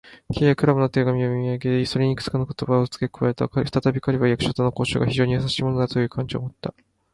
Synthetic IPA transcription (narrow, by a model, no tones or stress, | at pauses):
kʲʰe̞ːjakɯɾabɯ̟not̪e̞ɡamʲiomʲiaɡe̞d̪esoɾʲeɲ̟ikɯ̟̥t͡sɨ̥kanoko̞̥t̪o̞baot͡sɨ̥kekɯ̟βae̞t̪a̰kaɸɯ̥t̪at̪abʲikaɾʲiβajakɯ̟̥ɕot̪onoko̞ːɕo̰ɡaçiʑo̞ːɲijas̬aɕiːmo̞nod̪at̪o̞jɯ̟ːkʰãɲ̟d͡ʑio̰mo̞t̪ːa